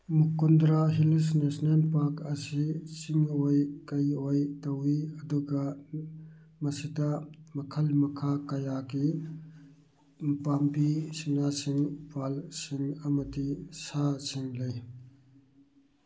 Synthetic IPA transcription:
mukundɾaɦilsnesnelpaɾkʰɐsit͡ʃiŋojkɐjojtɐwiɐduɡɐ | mɐsidɐmɐkʰɐlmɐkʰakɐjaɡi | pampisinasiŋpalsiŋɐmɐdisasiŋlɐj

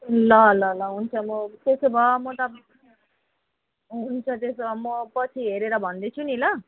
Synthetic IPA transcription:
lʌlʌlʌɦunt͡sʰʌmʌt̪esobʱʌmʌt̪ʌ | ɦunt͡sʰʌt̪esobʱʌmʌpʌt͡sʰiɦeɾeɾʌbʱʌnd̪et͡sʰunilʌ

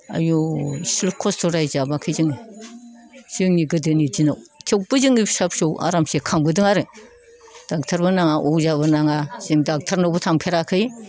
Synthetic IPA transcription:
a̰jusilkʰɔstʰɔɾajzabakʰɯzɯŋi | z̥ɯŋniɡɯdɯnid͡ʒinawtʰek̚bɯzɯŋisap̚sowa̰ɾamsekʰaŋbɯdɯŋaɾɯ | d̥ak̚tʰaɾbɯnaŋaʔozabɯnaŋaz̥ɯŋdak̚tʰaɾnowbɯtʰamkʰeɾakʰɯj

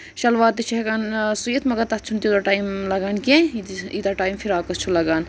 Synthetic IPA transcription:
ʃɐlʋaːt̪it͡ʃʰɐɦɐɡansujet̪mɐɡɐɾt̪ɐt͡ʃʰunt̪id̪ɐʈaːimlɐɡankẽid̪ɐʈaːjimfʰiɾaːkɐt͡ʃʰulɐɡan

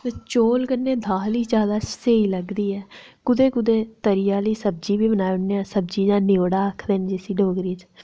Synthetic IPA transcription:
t̪eːt͡ʃoːlɡənːeːd̪ʱaːliːd͡ʒaːd̪aːseːiːləɡd̪iːɛː | kʊd̪eːkʊd̪eːt̪əɾɪjaːliːsəb̚d͡ʒiːbiːbənaːeʊnːẽãːsəb̚d͡ʒiːd͡ʒãːneoːɽaːəkʰd̪eːnd͡ʒɪsiːɖoːɡɾiːt͡ʃ

